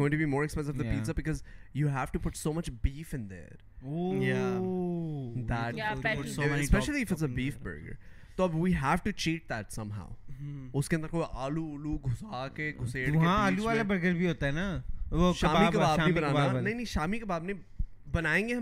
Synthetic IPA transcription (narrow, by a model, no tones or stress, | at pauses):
ɡõːɪ̃ɳʈubimoːɾɛkspɛ̃ns̬ɪʋd̪əpiːzəb̚bɪkɔzjuɦæfʈupʊʈsoːmɐt͡ʃbiːfɪ̃nd̪ə̰ːɾ | o | d̪æ | ospɛʃəliɪfɪts̬əbiːfbə̰ɾɡə̰ɾ | t̪oɐbʋiːɦæfʈut͡ʃiːʈ̚d̪æʈsɐ̃mɦa̰ʊʊskẽə̃nd̪əɾkoːiʔaːluːluɡʱʊsaːkeɡʱʊseːɽkɦeãaːluʋaːlabɐɾɡəɾbʱiɦoːt̪aɦɛnaʃaːmikɐbaːbbʱibɐnaːanɐĩnɐ̃ʃaːmikɐbaːbne | bɐnaːẽːŋɡeɦɐ̃